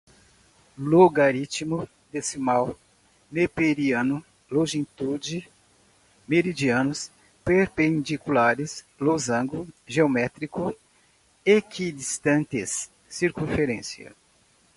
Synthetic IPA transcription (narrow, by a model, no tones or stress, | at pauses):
loɡaɾit͡ʃ̪imʊ | d̪esɪmaw | mepeɾiɐ̃nʊ | lõʒẽnt̪ud͡ʒɪ | meɾid͡ʒiɐ̃nʊs | peɾpẽnd̪ikulaɾɪs | lozɐ̃ɡʊʒeomɛt̪ɾikʊ | ekʰid̪ist̪ɐ̃nt̪ɪsː | iɾkũfeɾẽsiɐ̰